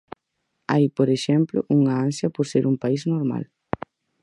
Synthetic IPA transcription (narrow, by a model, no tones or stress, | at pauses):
ajpoɾeʃɛmplʊ̰ʔuŋɐansjɐpoɾseɾʔuŋpaiznoɾma̰l